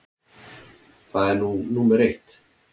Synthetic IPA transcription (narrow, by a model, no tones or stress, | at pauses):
faɛɾnunuməɾeht̪